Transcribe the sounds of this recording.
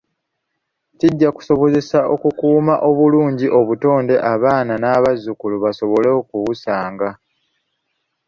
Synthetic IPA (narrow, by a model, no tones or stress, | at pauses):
ciɟːaku̥so̞βo̞ze̞sao̞kukuːmaʔo̞βuluːɲɟiʔo̞βuto̞ːnde̞ʔaβaːnanaːβazːukuluβaso̞βoleokuwusaːŋɡa